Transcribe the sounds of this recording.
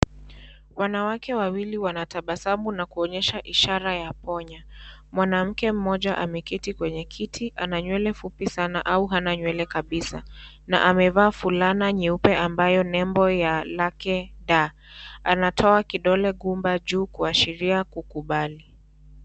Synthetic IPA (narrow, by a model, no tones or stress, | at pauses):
wanawakɛwawiliwanataɓasamunakuɔɲɛʃaʔiʃaɾajapɔɲamwanam̩kɛm̩mɔʄaʔamɛkitikwɛɲɛkʰitʰiʔanaɲwɛlɛfupisanaʔauɦanaɲwɛlɛkaɓisa̰ | na̰ʔamɛvaːfulanaɲiupɛʔambajɔnɛmbɔjalakɛɗa | anatʰɔakiɗɔlɛɠumbaʄuːkuaʃiɾiakukuɓali